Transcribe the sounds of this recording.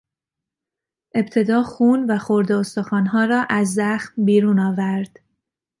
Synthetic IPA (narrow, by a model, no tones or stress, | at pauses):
ʔe̞bt̪ʰe̞d̪ɒːxuːnvæχxo̞ɾd̪eost̪oxɒːnɦɒːɾɒːʔæzːæxmbiːɾuːnɒːvæɾd̪̥